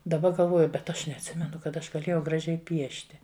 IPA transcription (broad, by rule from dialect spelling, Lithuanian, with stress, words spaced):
dɐˈbɐ ɡɐlˠˈʋoːjʊ bʲɛt ˈɐʃ nʲɛɐtʲˈsʲɪmʲɛnʊ kɐt ˈɐʃ ɡɐˈlʲeːjɛʊ ɡrɐˈʒʲɛɪ ˈpʲiɛʃʲtʲɪ